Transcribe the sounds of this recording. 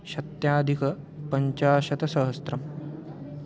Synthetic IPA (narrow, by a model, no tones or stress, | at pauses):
ʃɐt̪jaːd̪ʱikɐ | pɐɲt͡ʃaːʃɐt̪ɐsɐɦɐst̪ɾɐm